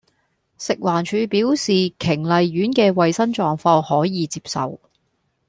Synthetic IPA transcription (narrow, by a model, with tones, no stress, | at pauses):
sɪ˨k̚waː˨˩nt͡ʃʰyː˨˧piː˨˥wsiː˨kʰɪ˨˩ŋlɐ˨jɥyː˨˥nkɛː˧wɐ˨jsɐ˥nt͡ʃɔː˨˧ŋfɔː˧ŋhɔː˨˥jiː˨˧t͡siː˧p̚sɐ̰˨w